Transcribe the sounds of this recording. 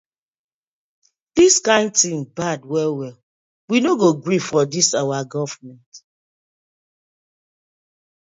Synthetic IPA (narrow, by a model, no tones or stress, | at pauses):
diskãɪ̃ndtĩŋbadwɛlwɛl | winoɡoɡɹifɔdisawaɡɔvmɛ̃nt